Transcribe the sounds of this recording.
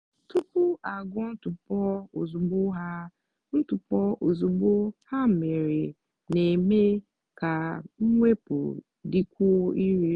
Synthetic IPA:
tʰu˦pʰu˦a˨ɡɔ˦n̩˦tu˨pɔ˦o˨zu˨bo˦ɦa˦ | n̩˦tu˨pɔ˦ʔo˨zu˨bo˦ha˦m̩˨me˨ɾe˨ | nẽ˨me˦ | kʰa˨ŋ̩˦ŋʷe˦pʰʊ̰˨ | di˦kʰʊ˦i˦ɾi˦

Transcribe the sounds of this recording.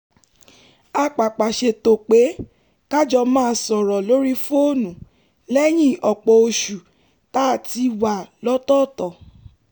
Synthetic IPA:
a˧k͡pa˨k͡pa˨ʃe˧to˨k͡pe˨˦ | ka˦d͡ʒɔ˧mãː˦˧sɔ˨ɾɔ˨lo˦ɾi˦fu˦o˦˨nũ˨ | lɛ˦j̃ĩ˦˨ɔ˨k͡pɔ˧˨o˧ʃu˨ | ta˦˨ti˧wa˨lɔ˦tɔ˦˨tɔ˨

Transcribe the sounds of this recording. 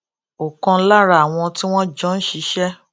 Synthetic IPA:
o˨kɔ̃˧˦la˦ɾa˦a˨w̃ɔ̃˧ti˦w̃ɔ̃˦d͡ʒɔ̃˦n̩˦ʃi˨˧˦ʃɛ˦

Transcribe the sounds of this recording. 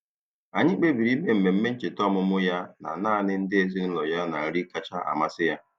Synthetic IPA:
a˨ɲɪ˦k͡pe˦bi˨ɾi˦me˦m̩˨me˨m̩˦me˦n̩˦t͡ʃe˨tɔ˦˨mʊ˦mʊ˦ja˦na̰˨naː˦˨nɪ˦n̩˦dɪ˦e˦zi˦n̩˦lɔ˨ja˦na˨ɾi˦ka˦t͡ʃa˦ʔa̰˨ma˦sɪ˦ja˦

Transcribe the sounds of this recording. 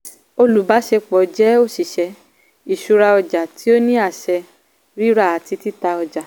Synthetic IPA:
o˧lu˨˦ba˨˦ʃe˧k͡pɔ˨d͡ʒɛ˨˦o˦˨ʃi˨ʃɛ˧ | i˨ʃu˧ɾa˧ɔ˧d͡ʒa˨ti˦o˦nĩ˦a˦˨ʃɛ˧ | ɾi˦ɾa˦˨a˨˦ti˧˦ti˦ta˧ɔ˧d͡ʒa˨

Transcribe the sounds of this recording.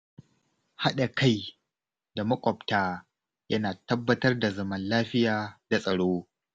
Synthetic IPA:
ha˦ɗa˨ka˦j | da˨mɐ˦kʷʼɔ˨ptaː˦ | jɐ˦naː˨tɐ˦bːɐ˦tɐ˦rda˨zɐ˦mɐ˦nlaː˦ɸɪ˦jaː˨d̥a˨sʼɐ˨ɽoː˦

